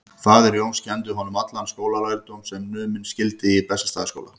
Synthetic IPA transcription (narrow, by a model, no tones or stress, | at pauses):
θaːðɛɾjownscʰɛnt̪̬ʏɦɔnːʏmat̪lanskoːwlalajɾt̪owmsɛmnʏːmɪnscɪlt̪ɪipɛsast̪aːðɪsko̰wla̰